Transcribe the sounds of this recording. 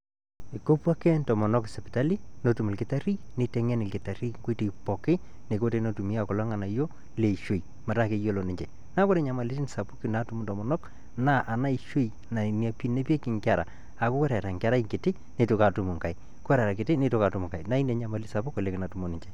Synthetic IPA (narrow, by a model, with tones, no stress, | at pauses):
i˨ko˦pwa˦ke˦ntɔ˨mɔ˨nɔ˦ksɛ˨pi˨ta˦li˦no˨˦tu˨mu˨lkɪ˨ta˦ri˦ni˨tɛ˦ŋɛ˦nɪ˨lkɪ˨ta˨ɾi˦ŋɡo˦ti˨pɔ˨kɪ˦ | ne˨ko˦te˦no˦tu˨mi˦a˦˨kɔ˨lɔ˦ŋa˨na˨jo˦ | le˨i˨ʃo˨i˨ | ma˨ɾa˦ke˨jo˦˨lo˨ni˨ɲd͡ʒe˨ | na˦ko˦ɾe˦ɲa˨ma˨li˦ti˦n˨sa˨pu˦ki˨na˨˦tu˦mu˨ntɔ˨mɔ˨nɔ˦k | na˦ʔa˨na˦i˨ʃo˦j | na˨ni˨a˨pi˦ne˦pi˦e˦ki˨ŋkʲa˨ɾa̰˨ | a˨kʊ˦kɛ˦ɾa˨ɾa˨ŋka˦ɾa˦i˦ŋkɪ˨tɪ˦ | ni˦tu˨ka˨tu˨mu˨ŋka˨i | kʊ˦wɛ˦ɾa˨ɾa˨kɪ˨tɪ˦ni˦tʊ˦ka˨tu˨mu˨ŋka˨jna˦i˦ne˨ɲa˦ma˨li˦sa˨pu˦ko˨le˨kɪ˨na˨tu˨mo˨ni˨ɲd͡ʒe˨